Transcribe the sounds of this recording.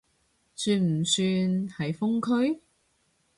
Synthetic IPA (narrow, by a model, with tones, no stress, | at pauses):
syː˧nm̩˨˩syː˧nhɐ˨˩jfʊ˥ŋkʰɵ˥ɥ